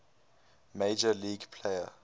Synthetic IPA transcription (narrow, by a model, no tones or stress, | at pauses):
med͡ʒəliːɡpʰleɪə